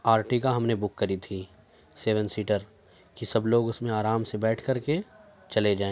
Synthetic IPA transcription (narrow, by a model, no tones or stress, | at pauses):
aːɾʈikaɦɐmnebʊkːɐɾit̪ʰi | seːʋənsiːʈəɾ | kisɐbloːɡʊsmẽaːɾaːmsebɛːʈʰkɐɾke | t͡ʃɐled͡ʒaːẽː